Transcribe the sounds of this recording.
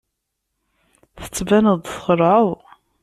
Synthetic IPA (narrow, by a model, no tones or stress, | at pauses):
θə̥t͡sːvænəðd̪ˤθχəɾˤʕəw